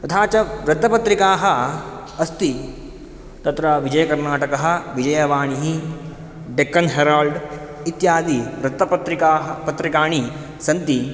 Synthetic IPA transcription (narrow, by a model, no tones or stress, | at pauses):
t̪ɐt̪ʰaːt͡ʃɐɾɐd̪ːɐpɐt̪ɾikaːɦɐ | ɐst̪i | t̪ɐt̪ɾɐʋid͡ʒɐjɐkɐɾnaːʈɐkɐɦɐ̆ʋid͡ʒɐjɐʋaːɳiɦi | ɖekːɐnɦeɾaːlɖ | it̪jaːd̪iɾɐd̪ːɐpɐt̪ɾikaːɦɐpɐt̪ɾikaːɳi | sɐnt̪i